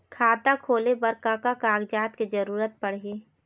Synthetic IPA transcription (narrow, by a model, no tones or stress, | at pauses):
kʰaːt̪akʰoːlebəɾkakakaːɡd͡ʒaːt̪ked͡ʒəɾuːɾət̪̚pəɽ̤eː